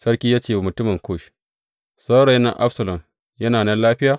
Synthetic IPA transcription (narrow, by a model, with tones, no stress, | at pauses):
sɐ˦ɽkʲiː˦jaː˦t͡ʃeː˨mʊ˨tʊ˦mɪ˨ŋkoː˦˨ʃ | sɐ˦ɽɐ˨jna̰˨ʔa̰˦ɸsɐ˨lɐ˨m | jɐ˦naː˨nɐ˦nlaː˦ɸɪ˦jaː˨